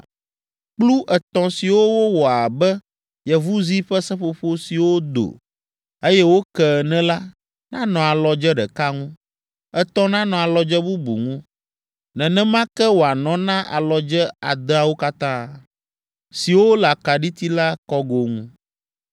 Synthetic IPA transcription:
k͡plu˦ʔɛ˨t̪ɔ̃˨si˨wo˦wo˦wɔ˨a˨bɛ˦ | jɛ˨vu˦zi˦ɸɛ˦sɛ̃˦ɸo˨ɸo˦si˨wo˦d̪o̰˨ | e˦jɛ˦wo˦kɛ˨nɛ̃˦la˦ | nã˦nɔ̃˨a˨lɔ˨d͡ʒɛ˦ɖɛ̰˨ka˦ŋũ˦ | ɛ˨t̪ɔ̃˦nã˦nɔ̃˨a˨lɔ˨d͡ʒɛ˦bu˦bṵ˨ŋũ˦ | nɛ̃˨nɛ̃˦mã˦kɛ˦wo˨a˨nɔ̃˨nã˦ʔa̰˨lɔ˨d͡ʒɛ˦a̰˨d̪ɛ˦a˦wo˦ka˦t̪ã˦ | si˨wo˦la˨ka˨ɖi˦t̪i˦la˦kɔ˦ɡo˦ŋũ˦

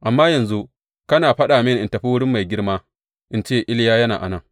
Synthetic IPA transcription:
ʔa˨mːaː˦jɐ˨nzu˦ | kɐ˦naː˨ɸɐ˦ɗaː˨mɪ˦nʔɪ˨ntɐ˨ɸi˦wʊ˦ɽɪ˦mːa˨jɡʲɪ˦ɽmaː˦ | ʔɪ˦nt͡ʃeː˦ʔɪ˦ljaː˦jɐ˦naː˨ʔa̰˨nɐ˦ŋ

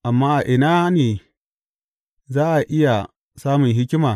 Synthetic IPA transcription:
ʔa˨mːaː˦ʔa˨ʔɪ˨naː˦neː˨ | zaː˦ʔa˨ʔɪ˦ja˨ | saː˦mʊ˨ŋɦɪ˦kʲɪ˦maː˨

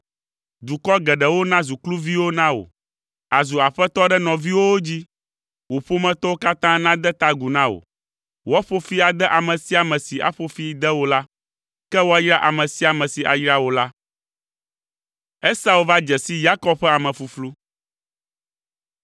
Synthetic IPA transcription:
d̪u˨kɔ˦ɡɛ˨ɖɛ˨wo˦nã˦zu˨klu˦vi˦wo˦nã˦o̰˨ | a˨zu˨a˨ɸɛ˦t̪ɔ˦ɖɛ˦nɔ̃˨vi˦wo˦wo˦d͡ʑi˦ | wo˨ɸo˦mɛ̃˦t̪ɔ˦wo˦ka˦t̪ã˦nã˦d̪ɛ˦t̪a˦ɡu˨nã˦wo̰˨ | wɔ˦ɸo˦fi˦a˨d̪ɛ˦ʔa˨mɛ̃˨si˦a˨mɛ̃˨si˨ʔa̰˨ɸo˦fi˦d̪ɛ˦wo˦la˦ | kɛ˦wo˦a˦jɾa˦ʔa˨mɛ̃˨si˦a˨mɛ̃˨si˨ʔa̰˨jɾa˦wo˨la˦ | ɛ˦sa˦u˨va˦d͡ʒɛ˨si˦ja˦kɔ˦b̚ɸɛ˦a˨mɛ̃˨fu˨flu˦

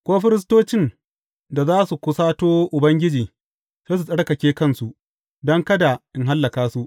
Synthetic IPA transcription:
kʷoː˦ɸɪ˦ɾɪ˦s̬toː˦t͡ʃɪ˦˨n | da˨zaː˦su˨kʷʊ˦saː˦toː˦ʔʊ˨bɐ˦ŋɡʲɪ˦d͡ʒiː˨ | seː˦su˨sʼɐ˦ɽkɐ˨kʲeː˦kɐ˦nsu˨ʔ | dɔ˦ŋkɐ˦da˨ʔɪ˦ŋɦa˦lːɐ˨kaː˦su˦ʔ

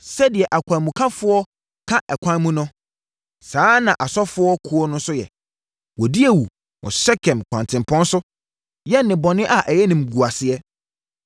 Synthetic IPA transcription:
sɛ˦dɪ˨ɛ˨ʔa˨kʷʰã˨nmũ˨kʰã˦fʊ˦ɔ˦ | kʰã˦ʔɛ˨kʷʰã˦n˦mũ˦nʊ̃˦ | sãː˨˦nã˨ʔa˨sɔ˦fʊ˦ɔ˦kʰʊ˦ɔ˦nʊ̃˦n˦sʊ˦jɛ̰˨ | wɔ˨di˦ɛ˨wu˨ | wʔɔ̰̃˨sɛ˦kʰɛ̃˨mkʷʰã̰˨ntʰɪ̃˨mpʰɔ̃˦n˦sʊ˦ | jɛ˦nːɪ̃˨bɔ˨nɪ̃˦ʔa˨ʔɛ˨jɛ˦nĩ˨mɡu˨a˨sɪ˨ɛ˦

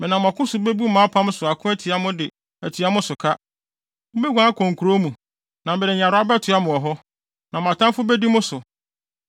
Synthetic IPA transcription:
mɪ̃˨nã˨m˨ã˨kʰʊ̃˦sʊ˨be˦bu˦mãː˨˦pʰã˦m˦sʊ˨a˨kʰʊ̃˦æ˦tʰi˨a˦mʊ̃˦dɪ˨ | æ˨tʰi˨˦a˦mʊ̃˦sʊ˨kʰa˦ | mʊ̃˦be˦ɡʷã˦kʰɔ̃˨ŋkʰu˨ɾo˦mũ˨ | nã˨mbɛ˨dɪ˨ɲ˨a˨ɾʊ˨˦a˦bɛ˦tʰɪ˨a˦mʊ̃˨ɔ˨ɦɔ˦ | nã˨m˨ã˨tʰã˦m˦fʊ˦bɛ˦di˦mʊ̃˦sʊ˨

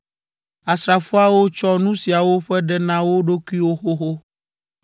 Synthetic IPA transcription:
a˨sɾa˨fu˦a˦wo˦t͡ʃɔ˦nũ˦si˨a˨wo˦ɸɛ˦ɖɛ˦nã˦wo˦ɖo˦kʷu˦i˦wo˦xo˦xo˦

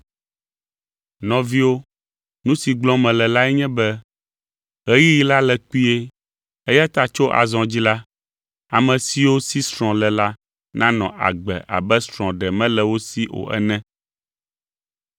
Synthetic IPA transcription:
nɔ̃˨vi˦wo˦ | nũ˦si˨ɡ͡blɔ̃˦mɛ̃˨lɛ˨la˦ɛ˦ɲɛ̃˦bɛ˦ | ɣɛ˦ji˦ji˦la˦lɛ˨k͡pi˦e˦ | e˦ja˦t̪a˦t͡ʃo˦ʔa̰˨zɔ̃˨d͡ʑi˦la˦ | a˨mɛ̃˨si˦wo˦si˦sɾ̃ɔ̃˨lɛ˨la˦ | nã˦nɔ̃˨ʔa̰˨ɡ͡bɛ̰˨a̰˨bɛ˦sɾ̃ɔ̃˨ɖɛ˨mɛ̃˦lɛ˨wo˦si˦ʔo̰˨ʔɛ̰˦nɛ̃˦

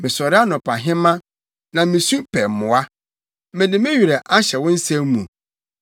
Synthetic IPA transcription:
mɪ̃˨sɔ˨ɾɪ˦a˦nʊ̃˨pʰa˨ɦɪ̃˦mã˦ | nã˨mɪ̃˨su˦pʰɛ˨mʊ̃˨a˦ | mɪ̃˨nɪ̃˨mɪ̃˦ɥi˨ɾɛ˨ʔa˦ɕɛ˨wʊ̃˦n̩˦sɛ̃˦m˦mũ˨

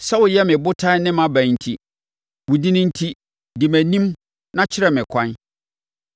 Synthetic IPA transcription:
sa˦wʊ˨jɛ˦mɪ̃˨bʊ˦tʰã˦nɪ̃˦mã˨˦bæ̃˨n̩˨tʰi˦ | wʊ˨di˦nɪ̃˦n̩˦tʰi˦ | di˨mæ̃˨nĩ˦m | nã˦t͡ɕʰɪ˦ɾɛ˨mɪ̃˨kʷʰã˦n

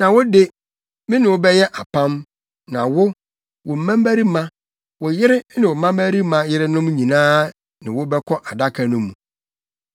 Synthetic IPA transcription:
nã˨wʊ˦de˦ | mɪ̃˦nɪ̃˨wʊ˦bɛ˦jɛ˦ʔa˨pʰã˦m | nã˨wʊ˦ | wʊ˨m̩˨mã˦m˦bæ˦ɾi˦mã˦ | wʊ˨jɪ˦ɾɪ˦nɪ̃˨wɔ˨m˦ã˦mæ˦ɾi˦mã˦jɪ˦ɾɪ˦nʊ̃˦mɲĩ˨nãː˦ | nɪ̰̃˨wʊ˦bɛ˦kʰɔ˦ʔa˨da˦kʰa˨nʊ̃˦mũ˨

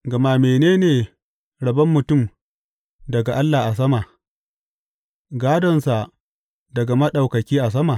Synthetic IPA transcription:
ɡɐ˨ma˦meː˨neː˦neː˨ | ɽɐ˨bɐ˦mːʊ˨tʊ˦˨m | dɐ˨ɡa˨ʔa˦lːa˨ʔa˨s̬ɐ˦ma˨ | ɡaː˦dɔ˨nsa˨ | dɐ˨ɡa˨mɐ˦ɗa˨wkɐ˨kʲiː˦ʔa˨s̬ɐ˦ma˨

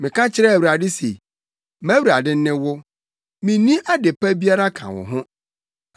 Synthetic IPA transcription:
mɪ̃˨kʰã˦t͡ɕʰɪ˦ɾɛ˦˨wɾa˨dɪ˦sḛ˨ | mæ̃˦wɾa˨dɪ˦n̩˦nɪ̃˦wʊ˦ | mĩ˨nĩ˦ʔa˦dɪ˨pʰæ˦bi˦a˦ɾa˦kʰã̰˨wʊ̰˨ɦʊ̃˦

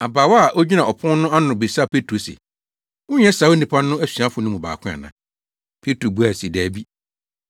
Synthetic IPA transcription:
a˨ba˨wa˦˨ʔo˦d͡ʑi˦nã˨ɔ˨pʰʊ̃˦n˦nʊ̃˦a˦nʊ̃˨be˨sa˦˨pʰe˦tʰɾo˨sḛ˨ | ʊ̃˦ɲ˦ɛ˦sa˨˦o˦nĩ˨pʰã˦n˦nʊ̃˦æ˦sɥã˦fʊ˨nʊ̃˦mʊ̃˨ba̰ː˨kʰʊ̃˦a̰˨nã̰˦ | pʰe˦tɾo˨bu˦a˨se˨dæː˨bi˦

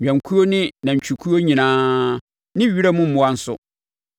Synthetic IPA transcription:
ã˨ŋ˨kʰu˦o˦nɪ̃˦nã˨ɲ̩˨t͡ɕᶣu˨kʰu˦o˦ɲĩ˨nãː˦ | nɪ̃˦ɥi˦ɾa˦mʊ̃˦m̩˨mʊ̃˦a˦n̩˦sʊ̰˦

